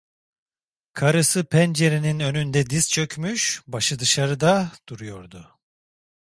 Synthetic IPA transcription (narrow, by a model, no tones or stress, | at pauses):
kʰaɾɯsɯpʰɛnd͡ʒe̞ɾininø̞nynd̪ɛd̪izt͡ʃʰø̞cʰʲmyʃbaʃɯd̪ɯʃaɾɯd̪ad̪̥uɾujo̞ɾd̪ʊ